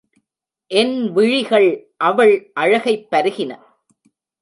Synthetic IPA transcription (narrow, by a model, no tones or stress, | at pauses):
ʔɛnʋɪɻɪɣɐɭʔɐʋɐɭʔɐɻɐɣɐɪpːɐɾɯɣɪnɐ